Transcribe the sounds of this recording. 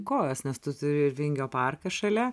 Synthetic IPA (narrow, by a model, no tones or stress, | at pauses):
koːjoːsnʲɛst̪ʊt̪ʊɾʲɪɪɾʋʲɪŋʲɡʲoːpɐrkɐʃɐlʲɛ